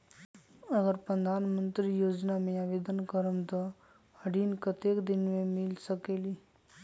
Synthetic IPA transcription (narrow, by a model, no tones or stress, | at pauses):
əɡəɾpɾəd̪ʱaːnmə̃nt̪ɾijoːd͡ʒnamẽaʋeːd̪ənkəɾəmt̪ɔ | ɐɽiːnkət̪eːkd̪ɪnmẽmɪlsəkeːliː